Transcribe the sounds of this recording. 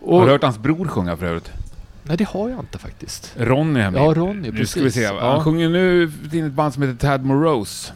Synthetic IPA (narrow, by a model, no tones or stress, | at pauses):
ɔaaɾhœːʈhansbɾuːɾɧɵŋːafœɾø̰ːɾɪt̪nɛd̪ɛhaɾjaɪnt̪ə̥fa̰k̚t̪ɪst̪ɾɔnːɪɛ̰mːɾɔnːɪd̪skaləvɪseːhanɧɵŋːənʉ̟ːt̪ʰiːd̪ɛt̪band̪sɔmheːt̪ət̪ʰæd̪mʊɾos